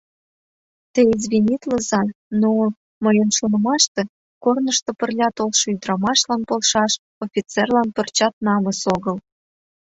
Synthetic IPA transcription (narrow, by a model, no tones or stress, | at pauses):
t̪ĕizβʲinʲit̪lə̆zɑno | məjənʃonə̆mɑʃt̪ĕ | kornəʃt̪opə̆rlʲɑt̪olʃɤ̆yd̪ɾɑmɑʃlɑnpolʃɑʃ | ofʲit͡serlɑnpə̆rt͡ɕɑt̪̚nɑmə̆soɣəl